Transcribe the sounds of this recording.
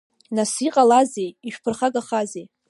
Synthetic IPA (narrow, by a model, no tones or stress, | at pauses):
nasiqʼalazejiʃᶣpʰɨrχaɡaχazej